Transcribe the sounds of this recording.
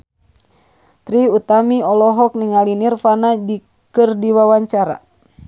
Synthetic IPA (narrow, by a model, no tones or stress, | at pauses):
t̪ɾiut̪amiɔlɔɦɔk̚niŋalinirfanadi | kɨrdiwawaɲt͡ʃaɾa̰